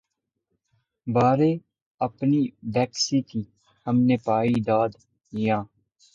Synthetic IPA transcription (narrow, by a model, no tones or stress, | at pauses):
baːɾeː | əpniːbɛːksiːkiː | həmneːpaːiːd̪aːd̪ | ijãː